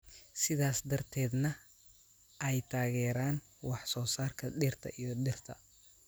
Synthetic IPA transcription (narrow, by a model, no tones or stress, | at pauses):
sɪðaːsd̪ɐrt̪ʰɛːd̪nɐ | ʔɛjt̪ʰaːɣɛːɾaːn | wɑħsɔːsaːrkʰɐɖɪrt̪ʰɐ̰ʔijɔɗɪrt̪ʰɐ̰